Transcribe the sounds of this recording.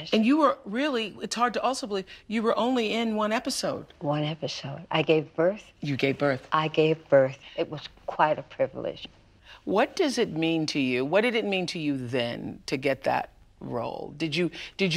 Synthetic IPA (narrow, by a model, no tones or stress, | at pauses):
ɨ̃njɨwə˞ɹɪlˠiɨtshɑɹd̚tɨʔɔlˠsoʊbəliv̥jɨwə˞ʔõʊ̃nliɪ̃nwʌ̃nɛpɨsoʊd̥wʌ̃nɛpɨsoʊda̰ɪɡeɪvbɜ˞θ | jɨɡeɪvbɜ˞θʔaɪɡeɪvbɜ˞θɨt̚wʌz̥kʰw̥aɪɾɨpʰɹ̥ɪvl̩ˠɪ̰d̥ʒ̥ | wʌt̚d̥ʌzɨt̚mĩntʰɨjʉwʌd̥ɨɾɨt̚mĩntʰɨjɨðɨ̰̃ntʰɨɡɛt̪̚ðɨ̰t̚ | ɹo̰ʊlˠdɨd͡ʒɨd̥ɨd͡ʒ